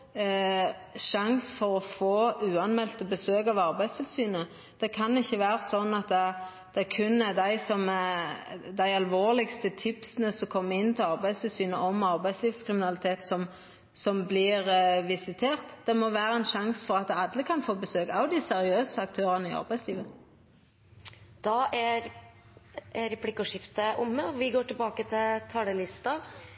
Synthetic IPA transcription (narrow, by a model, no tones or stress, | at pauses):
ʃɑŋsfɔɾɔfoːʉːɑnmɛlt̪əbəsøːkɑʋɑɾbæɪd̪st̪ʰɪlsyːnə | d̪̥ɛkʰɑnɪçːəʋæːɾəsɔnːɑt̪̚ɛ | d̪̥ɛkʰʉnd̪æɪsɔm | d̪æɪɑlʋoːlɪɡst̪ət̪ʰɪpsənəsɔmkʰɔmːəɪnːt̪ʰɪlɑʁbæɪst̪ʰɪlsyːnəʔɔmɑɾbæɪd̪sliːfskʰɾɪmɪnɑlɪt̪ʰeːt̪sɔm | sɔmblɪʁʋɪsɪt̪ʰeːʁt̪d̪̥ɛmɔʋæːɾəɛnʃɑŋsfɔʁɑt̪ɑd̪əkʰɑnfoːbəsøːkɑʊd̪ɪsɛʁɪøːsəɑk̚t̪ʰøːʁənəɪɑ̰ʁbæɪsliːʋə | d̪̥ɑʔæɾ | æɾɛpʰlɪkːɔʂɪft̪əʔʊmːəɔʋɪɡoːʈɪlbɑːkət̪ʰɪlt̪ʰɑːɽəlɪst̪ɑ